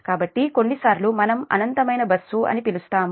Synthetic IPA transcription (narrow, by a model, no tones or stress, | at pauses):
kaːbɐʈːiko̞ɳːisaːɾlumɐnɐmɐ̰nɐnt̪ɐmɐjnɐbɐsːuɐ̰nipilust̪aːm